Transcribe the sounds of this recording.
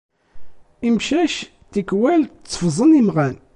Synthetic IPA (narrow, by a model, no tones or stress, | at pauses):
imʃæʃ | t̪ikwælt͡sˤːfzˤənimʁæn